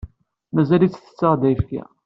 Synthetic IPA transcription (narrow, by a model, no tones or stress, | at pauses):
mæzælit͡sːθə̥t͡sːɑʁˤd̪æjfka̰